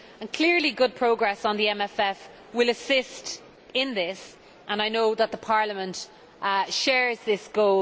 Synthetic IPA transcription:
ə̃nkʰl̥ɪɹliɡʊd̚pʰɹ̥oʊɡɹɛsn̩ðiɛ̃mɛfɛf | wɪləsɪst | ɪ̃nðɪs | ʔə̃naɪnoʊðət̪̚ðəpʰɑːɹləmə̃nt | ʃɛːɹzðɪsɡ̥oʊ

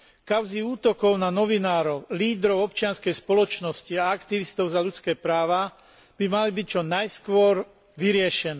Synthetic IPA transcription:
kaʊziuːt̪ɔkɔʊnanɔʋinaːɾɔʊliːd̪ɾɔʊɔpt͡ʃɪanskɛjspɔlɔt͡ʃnɔsciaakt̪iʋist̪ɔʊzaʎut͡skɛːpɾaːʋa | b̥imalibic̚t͡ʃɔnajskʋɔɾ | ʋiɾɪɛʃɛnɛː

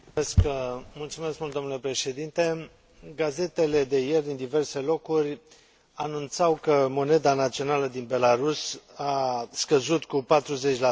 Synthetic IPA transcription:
eskmult̪sume̞skmult̪onule̞pɾe̞ʃe̞d̪int̪e̞ | ɡaze̞t̪e̞le̞d̪e̞jerd̪ind̪ive̞rse̞lo̞kurʲ | anunt̪sawkəmo̞ne̞d̪anat̪sio̞naləd̪inbe̞laɾusaskəzut̪kupat̪ɾuze̞t͡ʃʲla

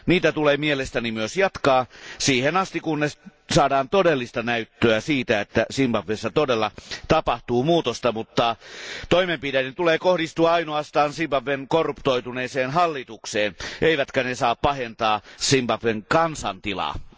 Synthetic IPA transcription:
niːt̪æt̪uleːmielest̪ænimyøsjɑt̪kɑːsiːhenɑst̪ikunnesɑːdɑːnt̪odelːist̪ɑnæyt̪ːøæsiːt̪æet̪ːæsimbɑpːesːæt̪odelːɑt̪ɑpɑht̪uːmuːt̪ost̪ɑmut̪ːɑt̪oimempidæjent̪uleːkohdist̪uɑɑinoɑst̪ɑːnsimbɑʋːenkorːupt̪oit̪uneːseːnɦɑlːit̪ukseːnʔeiʋæt̪kænesɑːppɑhent̪ɑːsimbɑpʋeŋkɑnsɑ̰nt̪ilɑ̰

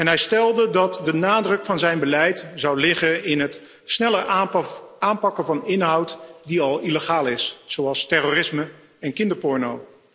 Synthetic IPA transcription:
ɛnɦɛjstɛlˠdədɑtdənaːdrɵkfɑnzɛjnbəlɛjtz̥ɑwlɪχəɪnɦət | snɛləɹ | aːmpɑkəvɑnɪnɦʌwtdiɑlˠiləχaːlˠɪsz̥owɑlˠstɛroːrɪsmə | ɛnkɪndəɹpɔɹnow

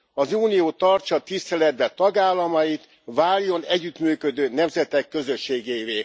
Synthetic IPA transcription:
ɒzuːnijoːt̪ɒrt͡ʃɒt̪ist̪ɛlɛd̪bɛt̪ɒɡaːlːɒmɒjit̪ | vaːljo̞nɛɟːyt̪myːkø̞d̪øːnɛmzɛt̪ɛkːø̞zø̞ʃːeːɡeːveː

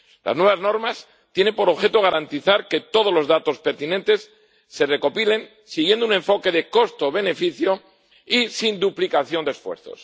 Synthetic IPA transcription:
la̰znwe̞βazno̞ɾmas | t̪je̞ne̞mpo̞ɾo̞βxe̞t̪oɣ̞aɾant̪iθaɾke̞t̪o̞ð̞o̞lo̞zðat̪o̞spe̞ɾt̪inẽ̞nt̪e̞sː | e̞re̞ko̞pile̞n | siɣje̞nd̪unẽ̞ɱfo̞ke̞ðe̞ko̞st̪o̞β̞e̞ne̞fiθjo̞ | isind̪uplikaθjo̞nd̪esfwe̞̰ɾθo̰s

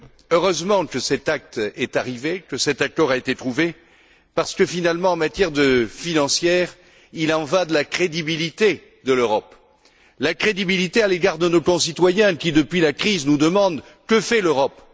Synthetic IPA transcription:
øʁøzmɑ̃kəsɛt̪ak̚t̪ɛt̪aʁivekəsɛt̪akɔʁaet̪et̪χuve | paʁsə̥kəfinalmɑ̃ɑ̃mat̪jɛʁd̪əfinɑ̃sjɛʁ | ilɑ̃vad̪əlakχed̪ibilit̪e | d̪əløʁɔp | lakχed̪ibilit̪ealeɡaʁd̪ənokɔ̃sit̪wajɛ̃kʲid̪əpɥilakχiznud̪əmɑ̃d̪ | kəfɛløʁɔp

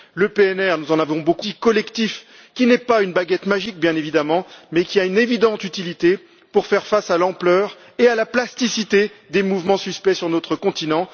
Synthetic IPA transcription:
ləpeɛnɛʁnuzɑ̃navɔ̃bokukɔlɛkt̪if | kʲinɛpaynbaɡʲɛt̪maʒik̚bjɛ̃nevid̪amɑ̃mɛkʲiaynevid̪ɑ̃t̪yt̪ilit̪e | puʁfɛʁfasalɑ̃plœːʁ | ealaplast̪isit̪ed̪emuvmɑ̃syspɛsyʁnɔt̪χəkɔ̃t̪inɑ̃

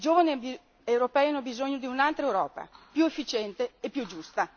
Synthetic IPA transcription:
id͡ʒoːvanib | ewɾopɛːianːobizoɲːod̪iunalt̪ɾaewɾɔ̰ːpa̰pjuefːit͡ʃɛnt̪eepːjud͡ʒust̪a

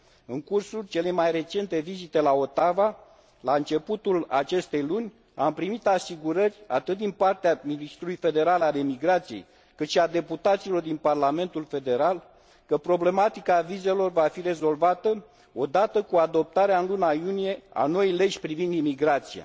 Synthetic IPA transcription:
ɨŋkursult͡ʃe̞le̞jmajre̞t͡ʃe̞nt̪e̞vizit̪e̞lao̞t̪ava | laɨnt͡ʃe̞put̪ulat͡ʃe̞st̪e̞jlunʲ | ampɾimit̪asiɡuɾərʲa̰t̪ɨt̪̚d̪inpart̪eaminist̪ɾulujfe̞d̪e̞ɾalalemiɡɾat̪sije̞̰j | kɨt̪ʃiad̪e̞put̪at̪silo̞rd̪inparlame̞nt̪ulfe̞d̪e̞ɾal | kəpɾo̞ble̞mat̪ikaːvize̞lo̞rvafiɾe̞zo̞lvat̪ə | o̞d̪at̪əkuad̪o̞p̚t̪aɾeaɨnlunajunije̞a̰no̞jle̞d͡ʒʲpɾivind̪imiɡɾat̪sia̰

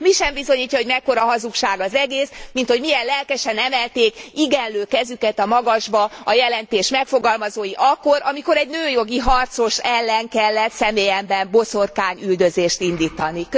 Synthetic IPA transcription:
miʃɛmbizo̞ɲiːcːɒɦo̞ɟmɛkːo̞ɾɒɦɒzukʃaːɡɒzɛɡeːsmint̪ho̞ɟmijɛllɛlkɛʃɛnɛmɛlt̪eːkiɡɛnløːkɛzykɛt̪ɒmɒɡɒʒbɒɒjɛlɛnt̪eːʃmɛkfoɡɒlmɒzoːjiʔɒkːo̞ɾʔɒmiko̞ɾɛɟnøːjo̞ɡiɦɒrt̪so̞ʃɛlːɛŋkɛlːɛt̪sɛmeːjɛmbɛmbo̞so̞rkaːɲyld̪øzeːʃt̪ind̪iːt̪ɒnik

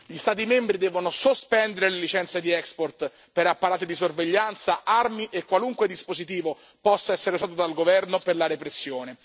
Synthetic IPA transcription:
ʎist̪aːt̪imembɾid̪ɛːvonosospɛnd̪eɾelelit͡ʃɛnt̪sed̪iɛksport̪ | peɾapːaɾaːt̪id̪isorveʎːant̪saarmiʔekːwaluŋkwed̪ispozit̪iːvo | pɔsːaɛsːeɾeuzaːt̪od̪alɡovɛrnoperlaɾepɾesːjoːne

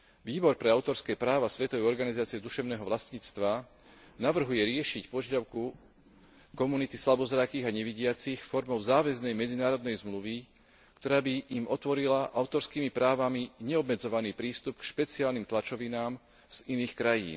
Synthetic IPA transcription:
ʋiːbɔɾpɾɛaʊt̪ɔɾskɛːpɾaːʋasʋɛt̪ɔʋɛɔɾɡanizaːt͡siɛd̪uʃɛʊnɛːɦɔʋlast̪ɲiːt͡st̪ʋa | naʋr̩ɦujɛɾɪɛʃicpɔʒjad̪aʊku | kɔmunit̪islabɔzɾakiːɣaɲɛʋiɟɪat͡sixfɔɾmɔʊzaːʋɛznɛjmɛd͡zinaːɾɔd̪nɛjzmluʋi | kt̪ɔɾaːbiːmɔt̪ʋɔɾilaʔaʊt̪ɔɾskiːmipɾaːʋamiɲɛɔbmɛd͡zɔʋaniːpɾiːst̪upkʃpɛt͡siaːlniːmt̪lat͡ʃɔʋinaːm | z̥iniːxkɾajḭːn

